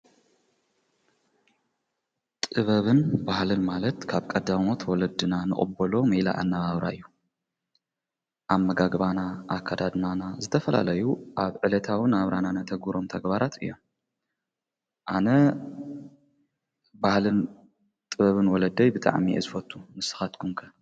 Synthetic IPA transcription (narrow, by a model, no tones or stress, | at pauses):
t̪ʼɨβɐβɨnbahlɨnmalɐt̪kʰaβkʼɐd̪amo̞t̪ʰwɔlɐd̪ɨnanɨχʼɨ̰bɐlo̞mɨla̰ʔa̰nːɐβaβɾa̰ɨjːu | ʔamːɐɡaɡbanaʔakʰːad̪ad̪nanazɨt̪ʰɐfɐla̰lɐjuʔaβʕɨlɐt̪ʰawɨnaβɾananat̪ʰɐɡuɾomt̪ʰɐɡbaɾat̪ʰɨ̰jːo̞m | ʔanɐ | bahlɨn | t̪ʼɨβɐβɨnwɔlɐd̪ɐjbɨt̪ʼa̰ʕmiʔḛzɨfɐt̪ʼʰːumɨsɨ̥xat̪kʰumkʰɐ